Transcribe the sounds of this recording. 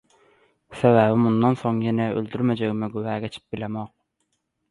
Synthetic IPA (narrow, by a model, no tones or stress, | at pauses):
sɛwæbɪmund̪ɑnsoŋjɛnɛø̰ld̪yɾmɛd͡ʒeɡʲmɪɡuwæːɡʲɛt͡ʃʰi̥p̚bɪlɛmɑq̚